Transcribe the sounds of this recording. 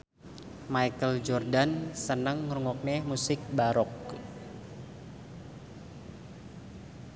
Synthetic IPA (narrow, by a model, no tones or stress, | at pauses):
majkəld͡ʒɔrdansənəŋːɾuŋɔk̚nɛmusɪk̚baɾɔk